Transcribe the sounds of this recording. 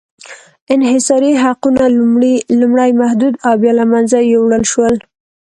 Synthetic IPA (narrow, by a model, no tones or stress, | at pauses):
ɪnɦɪsɑɾiɦaqunalumɽilumɽajmahd̪ud̪awbjɑlamanzajewɽəlʃwəl